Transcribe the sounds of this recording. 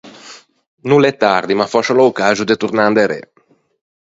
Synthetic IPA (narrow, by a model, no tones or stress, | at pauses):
nulɛt̪ːard̪imafɔʃolaukazud̪et̪urnand̪eɾḛ